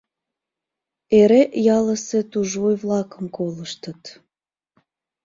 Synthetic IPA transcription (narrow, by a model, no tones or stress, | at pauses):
eɾejɑləset̪uʒojβlɑkəmkoləʃt̪ət̪